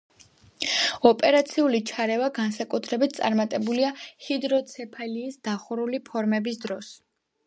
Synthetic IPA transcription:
ɔpʼɛɾat̪sʰiulit͡ʃʰaɾɛvaɡansakʼut̪ʰɾɛbit̪̚ʰt̪sʼa̰ɾmat̪ʼɛbuliahid̪ɾɔt̪sʰɛpʰaliːsd̪̥aχuɾulipʰɔɾmɛbisd̪ɾɔs

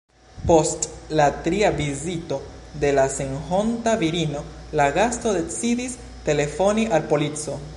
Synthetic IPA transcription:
po̞stlatɾiavizito̞ | de̞lase̞nho̞ntaviɾino̞ | laɡasto̞de̞t͡sidis | te̞le̞fo̞niʔalpo̞lit͡so̞

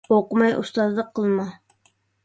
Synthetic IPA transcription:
oqʊmɑjʔṵst̪ɑzd̪ɑqʰːəlˠmɑ

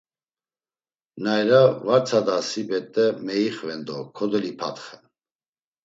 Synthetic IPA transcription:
najɾavaɾt͡sʰad̪asibɛt̪ʼːɛmɛiχvɛnd̪ɔkʰɔd̪ɛlipʰa̰t̪χɛn

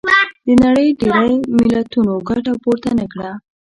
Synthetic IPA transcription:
d̪̥ənaɽəjɖeɾajmɪlat̪unoɡaʈapoɾt̪anakɽa

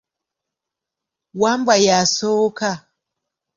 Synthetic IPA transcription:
wambajasoka

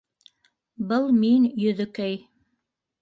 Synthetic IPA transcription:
bɤlˠminjɵ̆ðɵ̆kɘj

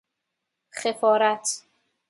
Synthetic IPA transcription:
xefɒːɾæt̪ʰ

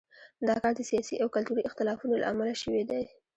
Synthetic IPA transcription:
d̪ɑkɑɾd̪əsijɑsiʔawkalt̪uɾiɪxt̪ɪlɑfunola̰ʔamalaʃəwed̪aj

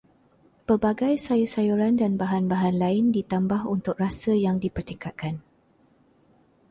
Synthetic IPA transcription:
pərbaɡajsajusajuɾandanbaɦanbaɦanlaɪndit̪ambahunt̪ʊk̚rasəjaŋdipərt̪ikat̪̚kʰan

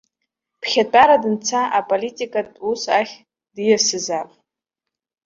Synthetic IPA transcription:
pʰχʲatʷʼaɾadɨnt͡sʰaʔapʼolitʼikʼatʼusaχʲ | dɨjasɨzapʼ

